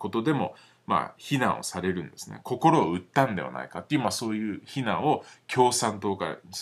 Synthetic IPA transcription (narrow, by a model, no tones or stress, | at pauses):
ko̞t̪o̞d̪e̞mo̞̰ | ma̰ːçinãɰ̃o̞̰saɾe̞ɾɯ̟̃nd̪e̞sɨnḛkʰo̞ko̞ɾo̞ːɯ̟t̪ːãnd̪e̞βa̰na̰ikat̪ːejiɯmaso̞ːjɯ̟ːçinãɰ̃o̞kʲo̞ːsãnt̪o̞ːka̰is